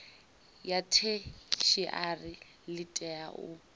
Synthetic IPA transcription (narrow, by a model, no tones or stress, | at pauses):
jatʰet͡ʃʰiʔarɪ | lɪtʼɛaʔʊ̰